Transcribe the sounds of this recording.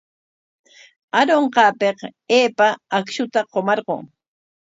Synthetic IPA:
aɾoɴqɑːpeqeːpaːkʃʊt̪aqomɑɾɢo̰ŋ

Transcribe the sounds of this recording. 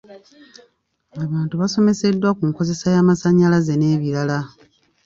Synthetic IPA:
aβaːntuβaso̞me̞se̞dːwakuŋko̞ze̞sajaːmasaɲːalaze̞ne̞ːβiɾala

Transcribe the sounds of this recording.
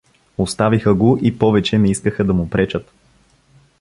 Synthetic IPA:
ost̪avixəɡoʔipɔvɛt͡ʃɛnɛiskəxəd̪ɐmʊpɾɛt͡ʃət̪

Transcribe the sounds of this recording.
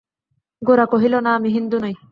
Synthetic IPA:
ɡoɾakoɦilonaːmiɦind̪unoj

